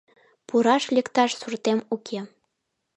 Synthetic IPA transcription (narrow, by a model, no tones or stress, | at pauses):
puɾɑʃlʲekt̪ɑʃsurt̪emukʰʲe